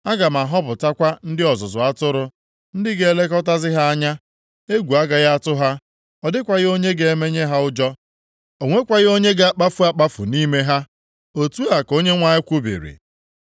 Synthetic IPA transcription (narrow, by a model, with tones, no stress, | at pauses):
a˦ɡa˨m˨a˨ɦɔ˦pʊ˨ta˦kʷa˦n̩˦dɪ˦ɔ˨zʊ˨zʊ˨a˦tʊ˦ɾʊ˨ | n̩˦dɪ˦ɡe˨e˦le˦kɔ˦ta˦zɪ˦ɦa˦a˦ɲa˦ | e˦ɡʷu˨a˦ɡa˨ɣa˦tʊ˦ɦa˦ | ɔ˨dɪ˦kʷa˨ɣɪ˦o˦ɲe˦ɡe˨e˦me˦ɲe˦ɦa˦ʊ˦d͡ʒɔ˦ | o˨ŋʷe˦kʷa˨ɣɪ˦o˦ɲe˦ɡa˨a˦k͡pa˦fʊ˦a˦k͡pa˦fʊ̰˨ni˦me˦ɦa˦ | o˦tu˦a˨ko˦ɲe˦ŋʷa˦ɪ˦kʷu˦bḭ˨ɾḭ˨